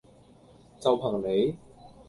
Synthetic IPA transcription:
t͡sɐ˨wpʰɐ˨˩ŋne˨˧j

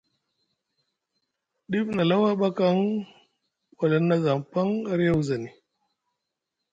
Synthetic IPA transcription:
ɗi˦fna˨la˦wa˦ɓa˦ka˦ŋ | wa˨la˨nːa˦za˨ŋpa˦ŋa˦ɾja˦wza˨ni˨

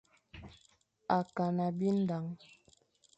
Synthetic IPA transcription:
a˨ka˨na˨bi˦n̩˦da˨˦ŋ

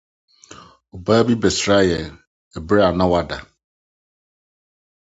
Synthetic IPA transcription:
o˨baː˦bi˦be˨sɾa˦jɛ˨ | ɛ˨bɾa˨nã˦wa˨da˨

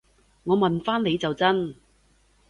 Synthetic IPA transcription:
ŋɔː˨˧mɐ˨nfaː˥nle˨˧jt͡sɐ˨wt͡sɐ˥n

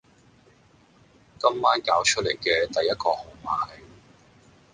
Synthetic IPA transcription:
kɐ˥mːaː˥nkaː˨˧wt͡ʃʰɵ˥t̚le˨˩jkɛː˧t̪ɐ˨jːɐ˥t̚kɔː˧ho˨˩ŋmaː˨j

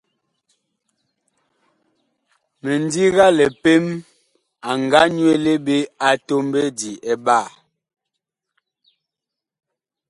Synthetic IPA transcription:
me˨n˦di˦ɣa˦lɛ˨pe˦m | a˨ŋɡa˦ɲ˦e˦˨le˦be˦a˨to˦mbe˦di˨ɛ˨ba˦˨

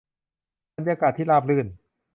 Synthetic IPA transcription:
a˧˦njaː˧kaː˨˩t̪ʰːiː˥˩laː˧˩p̚lɯː˧˩n

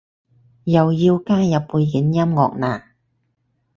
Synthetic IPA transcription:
jɐ˨wjiː˧wkaː˥jɐ˨pːuː˧jki˨˥njɐ˥mŋɔ̰ː˨k̚naː˨˩

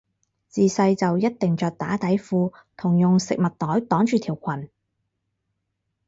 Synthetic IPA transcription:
t͡siː˨sɐ˧jt͡sɐ˨wjɐ˥t̚t̪ɪ˨ŋt͡ʃœː˧k̚t̪aː˨˥t̪ɐ˨˥jfuː˧ | t̪ʰʊ˨˩ŋjʊ˨ŋsɪ̰˨k̚mɐ˨t̚t̪ɔː˨˥jt̪ɔː˨˥ŋt͡ʃyː˨t̪ʰiː˨˩wkʷʰɐ˨˩n

